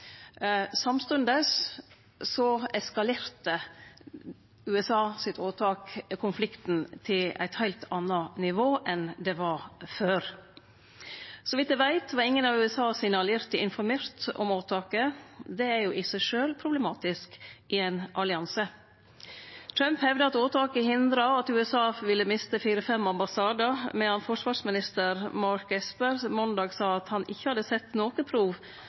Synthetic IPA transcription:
sɑmst̪ʉnd̪əs | sɔɛskɑleːɾt̪ə | ʉɛsɑːsɪt̪ʰoːt̪ʰɑːkkʰʊnflɪkt̪nt̪ʰɪlæ̰ɪt̪hæɪlt̪ʰɑnːɑnɪʋoːʔɛnd̪ɛʋɑɾføːɾ | sɔʋɪt̪d̪ɛʋæɪt̪ʋɑɾɪŋːənɑʋʉːɛsɑːsɪnəɑljɪɾt̪ɪɪnfɔɾmeːɾt̪ɔ̰moːt̪ʰɑːkəd̪ɛæɾjʊʔɪsæɪʂøːlpʰɾʊblɛmɑːt̪ɪskʔɪæɪnʔɑlɪɑnsə | t̪ʰɾœmphɛʋd̪əɑt̪oːt̪ʰɑːkəhɪnd̪ɾɑɑt̪ʉːɛsɑːʋɪlːəmɪst̪əfiːɾəfɛmːɑmbɑsɑːd̪əmɛhɑnfɔʂʋɑːʂmɪnɪst̪əɾmɑɾkɛspəɾmɔnd̪ɑːɡsɑːɑt̪hɑnʔɪçːəhɑd̪əsɛt̪ːnoːkəpʰɾuːʋ

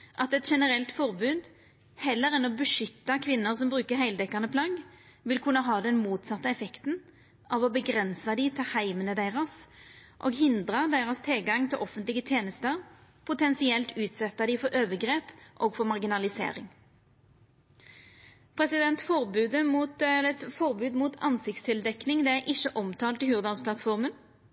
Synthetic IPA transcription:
ʔɑt̪ɛt̪ʃɛnəɾɛlt̪fɔʁbʉːd̪ | hɛlːəɾɛnɔbəʂʏt̪ːɑkʰʋɪnːʊʁsɔmbʁʉːkəɾhæɪld̪ɛkːɑʁnəpʰlɑːɡ | ʋɪlkʰʉnːəɦɑːd̪ɛnmuːt̪sɑt̪ːəɛfɛkt̪n | ʔɑʋɔbəɡʁɛnsɑd̪ɪt̪ʰɪlhæɪmənəd̪eɪʁɑsʔo̰ːɡɦɪnd̪ʁɑd̪æɪʁɑst̪ʰɪlɡɑŋt̪ʰɪlʔɔfənt̪lɪɡət̪ʰjeːnəst̪əʁpʰʊt̪ʰɛnsɪɛlt̪ʉːt̪sɛt̪ːɑd̪ɪfɔɾʔøːʋəɡɾeːpʔoːɡfɔɾmɑʁɡɪnɑlɪsḛːɾɪ̰ŋ | pʰʁɛsɪd̪ɛnt̪fɔɾbʉːd̪əmuːt̪ɛlət̪fɔɾbʉːd̪muːt̪ʰɑ̰nsɪkt̪st̪ʰɪld̪ɛknɪŋd̪ɛæɾʔɪʃːəʔɔmt̪ʰɑːlt̪ɪhʉːʁd̪ɑnspʰlɑt̪fɔɾmən

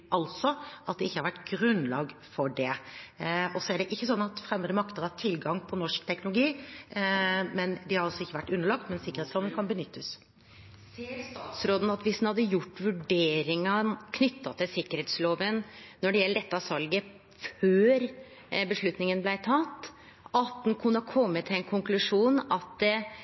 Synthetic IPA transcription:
ʔɑlt̪sɔʔɑt̪̚d̪ɛɪçːəhɑɾʋæʈːɡɾʉnlɑːɡfɔɖɛ | ɔsɔæɖɛʔɪçːəsɔnːɑt̪fɾɛmːəd̪əmɑkt̪əʁɑt̪ʰɪlɡɑŋpʰɔnɔʂkt̪ʰɛknʊlʊɡiː | mɛnd̪ɪhɑɾɑlsɔɪçːəʋæʈːʉnːəɭɑk̚t̪mɛnsɪkəɾhetsloːʋənkʰɑnbənʏt̪ʰːəs | seːɾst̪ɑːt̪sɾoːd̪ən̩ɑt̪ʋɪsd̪nhɑd̪ːəjʊʈːʋʉɖeːɾɪŋɑkʰnʏt̪ʰːɑt̪ʰɪlsɪkːəɾheːt̪sloːʋənːɔɖɛjɛlːəɖ̪ɛt̪ːəɑsɑlɡə | føːɾ | bəʂɭʉt̪nɪŋənblæɪt̪ʰɑt̪ː | ɑt̪̚d̪ɛnkʰʉnːəhɑkʰɔmːət̪ʰːɪlɛnkʰʊŋklʉʂuːnɑt̪̚d̪ɛ

